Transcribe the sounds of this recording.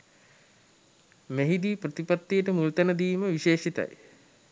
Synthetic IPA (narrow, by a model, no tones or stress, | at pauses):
meɦid̪iːprət̪ipat̪ːijəʈəmult̪ænəd̪iːməʋiʃeːʃit̪a̰j